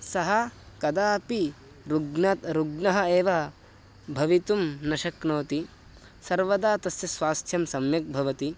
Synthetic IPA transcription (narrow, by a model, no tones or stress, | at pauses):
sɐɦɐkɐd̪aːpi | ɾuɡnɐt̪ɾuɡnɐɦɐ̆eːʋɐɦɐ | bʱɐʋit̪umnɐʃɐknoːt̪i | sɐɾʋɐd̪aːt̪ɐsjɐsʋaːst̪ʰjɐmsɐmjɐk̚bʱɐʋɐt̪i